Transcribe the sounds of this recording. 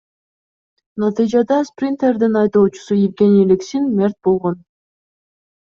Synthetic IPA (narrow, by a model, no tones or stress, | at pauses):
nɑt̪ɨjd͡ʒɑd̪ɑsprʲint̪erd̪inɑjd̪oːt͡ʃu̥sujɪvɡʲenʲiliksinmʲe̞rt̪̚bo̞lˠʁo̞n